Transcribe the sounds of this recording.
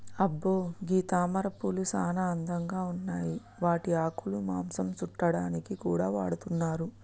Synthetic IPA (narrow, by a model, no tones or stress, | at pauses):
ɐbːoːɡiːt̪aːmɐɾɐpːulusaːnɐɐnd̪ʱɐŋɡaːunːaːji | ʋaːʈiaːkʰulumaːmsɐmt͡ʃuʈːɐɽaːnikikuːɽaːʋa̰ːɽut̪unːaːɾu